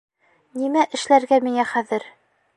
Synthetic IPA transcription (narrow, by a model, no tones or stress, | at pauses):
nimæʔɘ̆ʃlæɾɡæmiŋæχæðɘɾ